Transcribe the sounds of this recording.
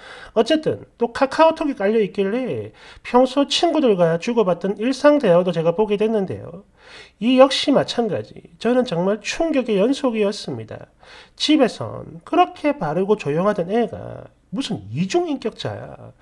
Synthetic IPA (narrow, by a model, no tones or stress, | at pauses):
ʌt͡ɕ͈e̞t͈ɯ̰nt͈okʰakʰaotʰoɡik͈aʎːʌik͈iɭːe̞pʰjʌŋsʰot͡ɕʰinɡudɯɭɡwat͡ɕuɡʌbat̚t͈ɯniɭs͈aŋde̞ʌŋdot͡ɕe̞ɡapoɡe̞dwe̞nːɯnde̞̰jo̰ | ijʌk̚ɕ͈imat͡ɕʰanɡa̰d͡ʑḭt͡ɕʌnɯnt͡ɕʌŋmaɭt͡ɕʰuŋɡjʌɡejʌnsʰoɡiʌs͈ɯmɲida̰ | t͡ɕibe̞sʰʌ̰nkɯɾʌkʰe̞paɾɯɡot͡ɕojoŋɦadʌne̞ɡa̰ | musʰɯnid͡ʑuŋink͈jʌk̚t͡ɕ͈a̰ja̰